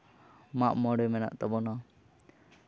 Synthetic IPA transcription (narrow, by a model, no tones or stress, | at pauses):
maʔmɔɽɛmɛna̰ʔt̪ɔbɔnɔ